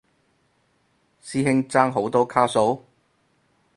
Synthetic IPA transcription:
siː˥ɦɪ˥ŋt͡saː˥ŋɦo˨˥wt̪ɔː˥kʰaː˥so˨˥w

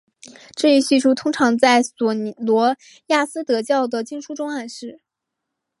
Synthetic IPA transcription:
ʈ͡ʂɤ˥˧i˥˧ɕy˥˧ʂu˥˩t̪ʰʊ˥ŋʈ͡ʂʰɑ˧˥ŋt͡sa˥˩ɪswɔ˨˩˧lwɔ˧˥ | ja˥˩sɹ̩˥t̪ɤ˧˥t͡ɕjɑ˥˩ʊd̪ə˩t͡ɕi˥˧ŋʂu˥ʈ͡ʂʊ˥ŋa˥˧nʂɻ̩˥˩

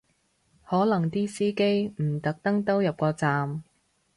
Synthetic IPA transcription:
hɔː˨˥lɐ˨˩ŋt̪iː˥siː˥ke˥jm̩˨˩t̪ɐ˨˥k̚t̪ɐ˥ŋt̪o˥wjɐ˨p̚kɔː˧t͡saː˨m

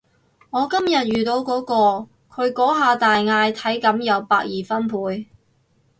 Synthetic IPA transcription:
ŋɔː˨˧kɐ˥mjɐ˨t̚jyː˨t̪o˧wkɔː˨˥kɔː˧ | kʰɵ˨˧ɥkɔː˨˥ɦaː˨˧t̪aː˨jŋaː˧jt̪ʰɐ˨˥jkɐ˨˥mjɐ˨˧wpaː˧k̚jiː˨˩fɐ˥npʰuː˨˧j

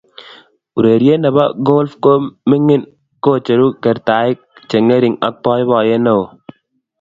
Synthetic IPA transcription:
u˨ɾe˨ɾje˦na˨ba˦ɡo˦lfko˦mɪ˦ŋɪ˦n | ko˦t͡ʃe˨ɾu˦kɛ˨ɾt̪a˨ɪ˦k̚t͡ʃe˨ŋe˦ɾɪ˨ŋa̰˦k̚pɔ˦jbɔ˨je˦no˦o˨

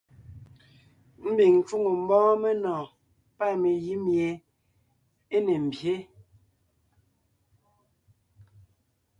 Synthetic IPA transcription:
m̩˦bi˨ŋn̩˨t͡ʃu˦ŋo˨m̩˨˦bɔ̃ː˦me˦nɔ̃ː˨ | pa˦˨me˨ji˦mje˨ | e˦ne˨m̩˨bje˨˦

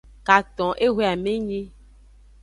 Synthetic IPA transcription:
ka˨t̪ɔ̃˨ʔe˦ɦe˦˨a˨mẽ˦ɲẽ˦

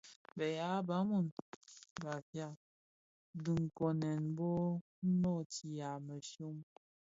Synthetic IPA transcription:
bɛ˨ja˨˦ba˨˦mu˦˨n | ba˨fja˦˨ | di˨ŋ˨ko˨nɛ˨nbɔ˦ | nɔ˦˨ti˨ja˨mə˨ʃo˦m

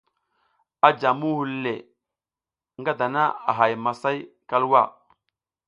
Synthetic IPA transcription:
a˦d͡ʒa˨mu˦hu˨lːe˨ | ŋɡa˦da˨na̰˦a̰˨ɦa˨jma˨sa˦jka˦lwa˦˨

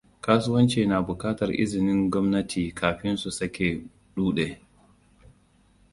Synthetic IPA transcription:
kaː˦sʊ˦wɐ˦nt͡ʃeː˨naː˨bʊ˨kaː˦tɐ˨rʔɪ̰˦zɪ˨nɪ˦ŋɡʷɔ˦mnɐ˦tʰiː˨kʰaː˨ɸɪ˦nsu˨sɐ˦kʲeː˨ | ɗuː˦ɗe˨

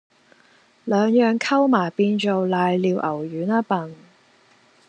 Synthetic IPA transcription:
lœː˨˧ŋjœː˨ŋkʰɐ˥wmaː˨˩jpiː˧nt͡ʃo˨wlaː˨˧jliː˧wʔɐ˨˩wjyː˨˥nɐ˥pɐ˨n

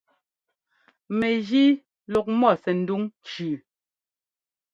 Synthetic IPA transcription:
mɛ˨ɣi˦ | lɔ˨k̚mɔ˦˨sɛ˨n̩˨˦du˦ŋt͡ʃʉː˨

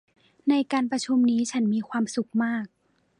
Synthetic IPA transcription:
na˧jkaː˧npɾa˧t͡ɕʰu˧mniː˦˥t͡ɕʰa˦˥nmiː˧kʰwaː˧msu˨˩k̚maː˥˩k̚

